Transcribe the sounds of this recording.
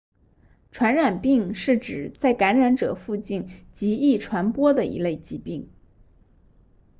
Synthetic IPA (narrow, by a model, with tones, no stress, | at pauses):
ʈ͡ʂʰwa˧˥nɻa˨˩npi˥˧ŋʂɻ̩˥˩ʈ͡ʂɻ̩˨˩t͡sa˥˩ɪka˧˥nɻa˧˥nʈ͡ʂɤ̰˨˩fu˥˧t͡ɕi˥˩nt͡ɕi˧˥i˥˩ʈ͡ʂʰwa˧˥npwɔ˥d̪ə˨ḭ˧˥le˥˩ɪt͡ɕi˧˥pi˥˩ŋ